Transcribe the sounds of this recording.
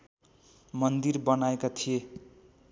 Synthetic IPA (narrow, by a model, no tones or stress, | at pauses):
mʌnd̪irbʌnaekat̪ʰije